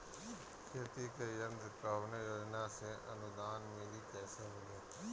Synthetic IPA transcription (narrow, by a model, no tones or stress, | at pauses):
kʰeːt̪iːkeːjənd̪kaːʋnejoːd͡ʒnasẽʔɐ̰nʊd̪aːnmẽːliːkɛːsemɪleː